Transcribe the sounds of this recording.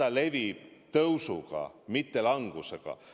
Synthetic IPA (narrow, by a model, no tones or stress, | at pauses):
ɑle̞vib̥̚t̪ɤwsuɡ̥ɑ̰mit̪ːelɑŋɡ̥useɡ̥ɑ̰